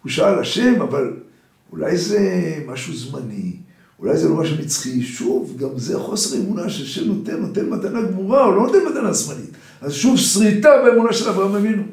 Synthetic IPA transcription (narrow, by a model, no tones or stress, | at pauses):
uʃaalaʃe̞maval | ula̰jze̞maʃuzmani | ulajzelo̞maʃ̬umit͡sχiʃuvɡamzeχo̞seʁemunaʃelʃe̞mno̞t̪e̞nːo̞t̪e̞nmat̪anaɡmuʁaolo̞no̞t̪e̞nmat̪anazmanit̪ | azʃuvsʁitabeemunaʃelavʁaamevinu